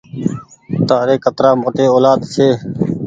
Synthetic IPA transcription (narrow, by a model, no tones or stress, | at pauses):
t̪aːɾeːkət̪ɾaːmoːʈeːoːlaːd̪sʰeː